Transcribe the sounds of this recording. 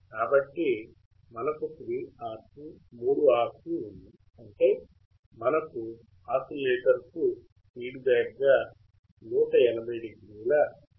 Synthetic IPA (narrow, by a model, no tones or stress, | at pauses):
kaːbɐʈːi | mɐnɐkusɾiːaːsumuːɽuaːɾsuund̪i | ɐɳʈe̞ː | mɐnɐku | aːsɐleːʈɐɾku | piːɖbɛːɡːaː | nuːʈɐɛnɐbʱɐjɖiɡɾiuːlɐ